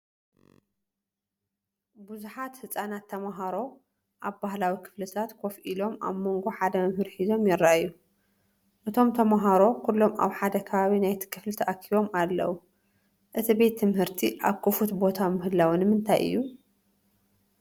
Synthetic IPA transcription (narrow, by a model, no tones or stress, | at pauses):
buzuħat̪hɨt͡sʼanat̪ʰːɐmaɦaɾo̞ | ʔaβbahlawikʰɨ̥flɨt̪ʰat̪kʰofʔilo̞ma̰βmo̞ŋɡo̞ħad̪ɐmɐmhɨɾħizo̞mjɛɾːaʔjːu | ʔɨt̪ʰo̞mt̪ʰɐmaɦaɾo̞kʰulːo̞ma̰βħad̪ɐkʰɐβaβinajt̪ʰi̥kʰɨflɨt̪ʰɐʔɐkʰiβo̞malːɐ̰wu | ʔɨt̪ʰibe̞t̪ʰːɨmhɨɾt̪ʰiʔaβkʰɨfut̪bo̞t̪ʰamɨhɨlːawɨnɨmɨnt̪ʰa̰jʔɨ̰jːu